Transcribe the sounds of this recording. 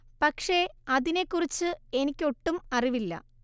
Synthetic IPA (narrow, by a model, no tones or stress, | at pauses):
pɐkʂe̞ɐðine̞kːurit͡ɕːɨe̞nikʲːo̞ʈːumɐriʋilːɐ̰